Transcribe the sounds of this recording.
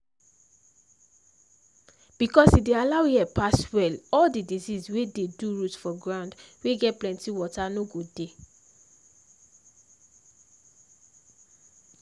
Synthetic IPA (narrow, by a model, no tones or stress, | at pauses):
b̥ikɔsidealaʊjiɛpaswɛlɔldidizizwededuɹutfɔɡɹãʊ̃ndweɡɛt̚plɛ̃ntiwɔtanoɡode